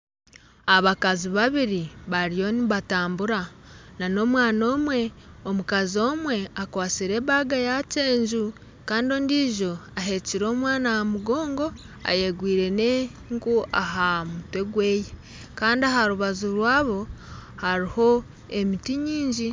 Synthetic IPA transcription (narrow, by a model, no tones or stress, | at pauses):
aβakaziβaβiɾiβaɾijo̞niβataːmbuɾanano̞ːmwaːno̞ːmwe̞omukazio̞ːmwe̞akwaːt͡siɾe̞ːβaɡajace̞ːɲd͡ʒu | kaːndio̞ːndiːʒo̞aɦe̞ciɾo̞ːmwaːnajamuɡo̞ːŋɡo̞ | a̰je̞ɡwiːɾe̞ne | ŋkuʔaɦamutwe̞ɡwe̞ːje | kaːndiaɦaɾuβazuɾwaːβo̞haɾiho̞ | e̞mitiɲiːɲɟi